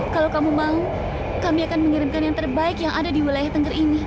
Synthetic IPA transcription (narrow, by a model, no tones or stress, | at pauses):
kalowkamumau | kamiakanməŋiɾɪnkanjaŋt̪ərbaɪkjaŋʔadadiwilajaht̪əŋɡərini